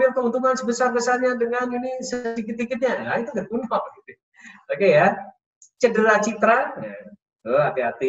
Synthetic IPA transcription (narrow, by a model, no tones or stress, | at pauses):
iakəmənt̪umansəbəsarbəsaɲadəŋaninisəikɪt̪̚ikɪt̪̚ɲaait̪uɡanbunɔk̚ɡit̪u | okeja | t͡ʃədəɾat͡ʃit̪ɾaa | əɦat̪iɦat̪i